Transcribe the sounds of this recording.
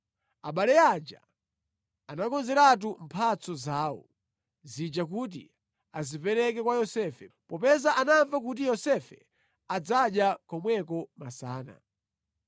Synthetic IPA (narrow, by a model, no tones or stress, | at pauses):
aɓalɛad͡ʒa̰ | anakɔnzɛɾat̬um̩pʰat͡sɔzaːwɔ̰ | zid͡ʒakut̬ḭ | azipɛɾɛkɛkwajɔsɛfɛpɔpɛzaʔanaɱvakut̬ijɔsɛfɛ | ad͡zaɗjakɔmwɛkɔmasaːna̰